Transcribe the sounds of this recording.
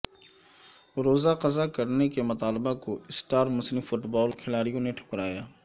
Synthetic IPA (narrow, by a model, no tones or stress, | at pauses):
ɾoːzaqɐzakɐɾnekemʊt̪aːlbakoɪsʈaːɾmʊsnifʊʈbɔːlkʰɪlaːɽijõneʈʰʊ̥kɾaːjaː